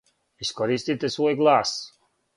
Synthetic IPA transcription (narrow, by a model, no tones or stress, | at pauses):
iskɔɾiːst̪it̪esuɔjɡlˠaːs